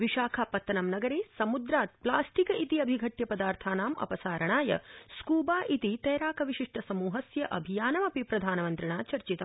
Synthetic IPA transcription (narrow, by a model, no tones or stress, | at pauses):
ʋiʃaːkʰapɐt̪ːɐnɐmnɐɡɐɾeːsɐmud̪ɾaːt̪̚plaːsʈikɐit̪iɐbʱiɡʱɐʈjɐpɐd̪aːɾt̪ʰaːnaːmɐ̰pɐsaːɾɐɳaːjɐ̰skuːbaːʔit̪it̪ɐjɾaːkʰɐʋiʃiʂʈʰɐsɐmuːɦɐsjɐʔɐbʱijaːnɐmɐpipɾɐd̪ʱaːnɐmɐnt̪ɾiɳaːt͡ʃɐɾt͡ʃit̪ɐ